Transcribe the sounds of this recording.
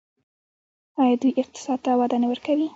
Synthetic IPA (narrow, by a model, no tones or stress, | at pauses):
ɑjɑd̪ujʔɪq̚t̪ɪ̥sɑd̪̚t̪awad̪ɑnewəɾkawi